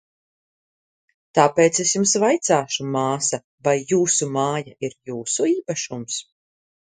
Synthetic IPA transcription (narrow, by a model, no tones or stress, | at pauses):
t̪aːpeːt̪sesjumsvajt̪saːʃumaːsa | vajːuːsumaːjaiɾjuːsuiːpaʃums